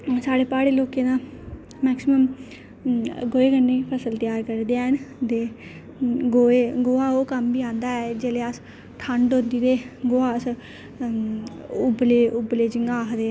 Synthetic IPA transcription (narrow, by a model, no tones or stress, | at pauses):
saːɽeːpaːɽeːloːkẽːnãː | mɛːksɪməm | ɡoːeːɡənːeːpʰəsəlt̪ɪjaːɾkəɾd̪eaːɦənd̪eː | ɡoːeːɡoːaːoːkəmbiːãːnd̪aːɛd͡ʒeːleːəs | ʈʰəɳɖond̪iːd̪eːɡoːaːs | ʊbleːʊbleːd͡ʒəŋɡaːkd̪eː